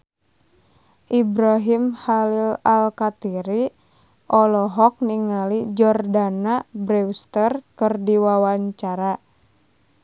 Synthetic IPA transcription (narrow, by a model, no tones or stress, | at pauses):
ʔibɾaɦimhalilalkat̪iɾi | ʔɔlɔɦɔk̚niŋalid͡ʒɔrdanabɾɛwst̪ərkɨrdiwawaɲt͡ʃaɾa